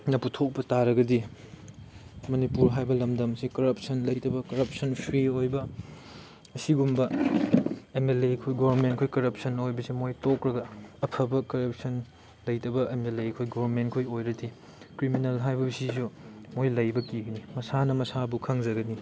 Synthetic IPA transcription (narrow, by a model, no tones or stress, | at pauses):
nɐputʰok̚pɐtaɾɐɡɐdi | mɐnipuɾɦajbɐlɐmdɐmsikɐɾɐp̚sɐnlɐjtɐbɐkɐɾɐp̚sɐnpʰɾiojbɐ | ɐsiɡumbɐ | emelekʰojɡobɐɾmentkʰojkɐɾɐp̚sɐnojbɐsimojtokɾɐɡɐːpʰɐbɐkɐɾɐp̚sɐn | lɐjtɐbɐʔemelekʰojɡoɐɾmentkʰojojɾɐdi | kɾiminelɦajbɐbisisu | mojlɐjbɐkiɡɐnimɐsanɐmɐsabukʰɐŋzɐɡɐni